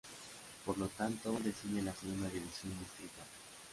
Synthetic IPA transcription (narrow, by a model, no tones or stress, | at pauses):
poɾlot̪ant̪od̪esiɲelasemaðiβisjonmusik̪a